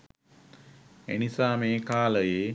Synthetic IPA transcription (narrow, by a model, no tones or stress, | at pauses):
ḛnisaːmeːkaːləjeː